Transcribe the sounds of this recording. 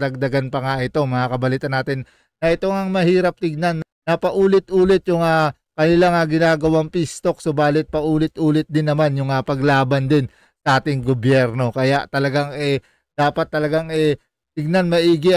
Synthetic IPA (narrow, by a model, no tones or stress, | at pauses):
d̪ɐɡ̚d̪ɐɡanpɐŋaʔɪt̪o̞mɐŋakɐbɐliːt̪ɐnːaːt̪ɪn | nɐʔɛt̪o̞ŋɐŋmɐhiːɾɐp̚t̪ɪɡ̚nanː | nɐpɐʔuːlɪt̪ʔuːlɪt̪jʊŋa | kɐnɪlaŋaɡɪnaːɡɐwaŋpɪst̪o̞k̚sobaːlɪt̪̚pɐʔuːlɪt̪ʔuːlɪt̪̚d̪ɪnːɐmanjʊŋapɐɡlaːbɐnd̪ɪn | sɐʔaːt̪ɪŋɡobjɛɾno̞kɐjaʔt̪ɐlɐɡaŋɛ | d̪aːpɐt̪ːɐlɐɡaŋʔɛ | t̪ɪɡ̚nanmɐʔiːɡɪ